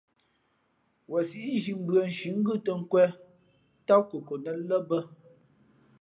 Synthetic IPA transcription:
wə˨si˦ʔʒi˨m̩˦bə˨n̩˨ʃi˨˦ŋ̩˦ɡʉ˦˨tə˨ŋ̩˦kwɛ˦ | ta˦kə˨ko˨nə˦lə˦bə˦

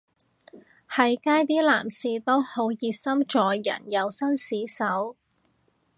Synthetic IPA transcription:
hɐ˨˧jkaː˥jt̪̬iː˥laː˨˩msiː˨˧t̪o˥who˨˥wjiː˨˧t̚sɐ˥mt͡ʃɔː˨jjɐ̰˨˩njɐ˨˧wsɐ˥nsiː˨˥sɐ˨˥w

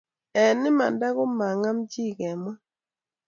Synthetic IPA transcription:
ɛ˨nɪ˦ma˨nda˦kʊ˦ma˨ŋa˦md͡ʒi˦˨kɛ˨mwa˦

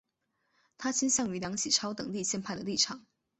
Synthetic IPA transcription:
t̪ʰa˥t͡ɕʰi˥nɕjɑ˥˩ŋy˧˥ljɑ˧˥ŋt͡ɕʰi˨˩ʈ͡ʂʰɑ˥ʊt̪ɤ˨˩ŋt̪i˥˧ɕjɛ˥˧npʰa˥˩ɪd̪ə˩li˥˩ʈ͡ʂʰɑ˨˩˦ŋ

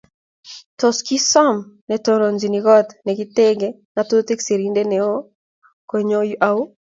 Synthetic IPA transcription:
tɔ˨ski˦sɔ˦mnɛ˨to˨ɾo˨nd͡ʒi˨ni˨ɡɔ˦t̪nɛ˨ɡi˦t̪e˦ɡe˦ | na˨to˦t̪e˦kse˨ɾi˦nde˦nɛ˨o˦ | kwe˨ɲo˦jʔa˦u˦

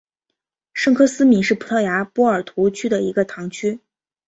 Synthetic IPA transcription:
ʂɤ˥˧ŋkʰɤ˥sɹ̩˥mi˧˥nʂɻ̩˥˩pʰu˨˩t̪ʰɤ˥˩ja˧˥pwɔ˥ə˞˨˩t̪ʰu˧˥t͡ɕʰy˥d̪ə˨i˧˥ɡə˧t̪ʰɑ˧˥ŋt͡ɕʰy˥

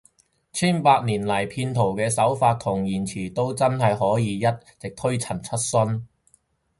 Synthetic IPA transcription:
t͡sʰiː˥npaː˧t̚niː˨˩nlɐ˨˩jpʰiː˧nt̪ʰo˨˩wkɛː˧sɐ˨˥wfaː˧t̚t̪ʰʊ˨˩ŋjiː˨˩nt͡sʰiː˨˩t̪o˥wt͡sɐ˥nhɐ˨jɦɔː˨˥jiː˨˧jɐ˥t̚t͡sɪ˨k̚t̪ʰɵ˥ɥt͡sʰɐ˨˩nt͡sʰɐ˥t̚sɵ˥n

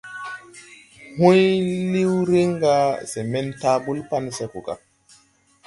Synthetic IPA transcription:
hũ˦jli˦wɾi˦ŋɡa˦se˨me˦ntaː˦bu˦lpa˦ni˦se˨ku˨ka̰˨

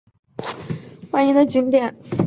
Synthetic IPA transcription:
xwa˥˩ni˧˥nd̪ə˧t͡ɕy˥nt̪jɛ˥˩n

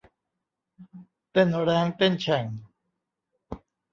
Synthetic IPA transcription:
t̪e˦˨no˨ɾa˧˦ŋt̪e˦nt͡ɕʰa˨ŋ

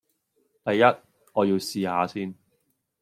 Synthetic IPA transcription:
t̪ɐ˨jːɐ˥t̚ | ŋɔː˨˧jiː˧wsiː˨ha̰ː˨˧siː˥n

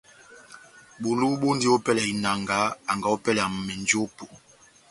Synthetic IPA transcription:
ɓu˨lu˦ɓo˦ndi˦o˦pɛ˦lɛ˨i˨na˨ŋɡa˨˦a˨ŋɡa˨˦o˦pɛ˦la˨m˨mɛ˨nd͡ʒpo˨

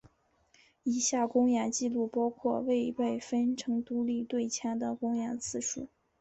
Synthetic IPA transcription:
i˧˩˥ɕja˥˩kʊ˥ŋja˧˥ŋt͡ɕi˥˧lu˥˩pɑ˥ʊkʰwɔ˥˧we˥˧ɪwe˥˩ɪfə˥nʈ͡ʂʰɤ˧˥ŋt̪u˥li˥˧t̪we˥˩ɪt͡ɕʰjɑ˥ŋd̪ə˨kʊ˥ŋja˧˥nt͡sʰɹ̩˥˧ʂu˥˩

